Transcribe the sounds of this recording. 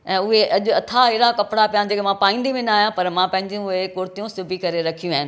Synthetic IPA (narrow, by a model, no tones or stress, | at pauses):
ɛ̃ːʊɦeʔɐʄʊ̆ɐt̪ʰaɦɪɾakɐpɽapijãd͡ʑeːkemãpaːĩːnd̪imẽnaːɦijãpɐɾmãpɐ̃ɦɪ̃ɲd͡ʑjũʊekʊːɾt̪ijũsʊbʱikɐɾeɾɐkʰijũaːɦɪnɪ